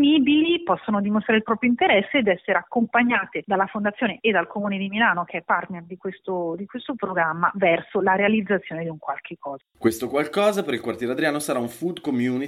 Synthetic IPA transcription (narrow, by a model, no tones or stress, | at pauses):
niːbilipɔsːonod̪imost̪ɾaːɾilpɾɔːpɾjoint̪eɾɛsːeːd̪ɛsːeɾeakːompaɲːaːt̪ed̪alːafond̪at̪sːjoːneʔːd̪alkʰomuːned̪imilaːnokeɛpːart̪nerd̪ikwest̪od̪ikwest̪opɾoɡɾamːa̰vɛrsolaɾealid̪zːat̪sːjoːned̪iuŋkwalkʰekːɔːzakwest̪okwalkɔːzapeɾilkwart̪jɛːɾead̪ɾiaːnosaɾauɱfud̪komjuni